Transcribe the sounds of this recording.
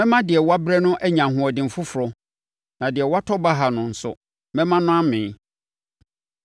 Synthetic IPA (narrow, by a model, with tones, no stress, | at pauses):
mɛ̃˦mã˦dɪ˨ɛ˨wa˦bɾɛ˦nʊ̃˦ʔɛ˦ɲã˨ɦʊ̃˨ɔ˨dɪ̃˨m̩˨fʊ˦fʊ˨ɾɔ˦ | nã˨dɪ˨ɛ˨wa˦tʰɔ˦ba˦ɦa˨nʊ̃˨n̩˨sʊ̰˨ | mɛ̃˦mã˦nʊ̃˦ã˦mɪ̃˨˦